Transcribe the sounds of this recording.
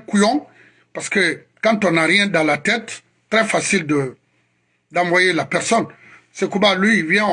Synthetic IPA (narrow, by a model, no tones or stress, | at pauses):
kujɔ̃ | paʁsə̥kə | kɑ̃t̪ɔ̃naʁjɛ̃d̪ãlat̪ɛt̪ | t̪ːɾɛfasild̪ə | d̪ãvwajelapɛʁsɔn | sɛkubalɥiːvjɛ̃